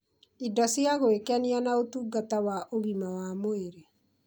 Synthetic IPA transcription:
idɔsjaɣoekɛnianaotuːɡatawaʔoɣimawamoeɾe

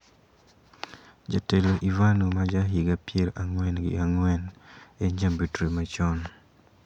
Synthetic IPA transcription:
d͡ʒateloʔivanumad͡ʒaɦiɡapjeɾʔaŋwɛnɡɪ̰aŋwɛneɲambitɾemat͡ʃɔn

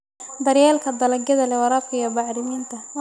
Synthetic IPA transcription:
d̪ɐɾjɛːlkʰɐd̪ɐlɐɡɐðɐlɛwɑɾɑqɪjɐbɑʕɾɪmiːnt̪ʰɐ

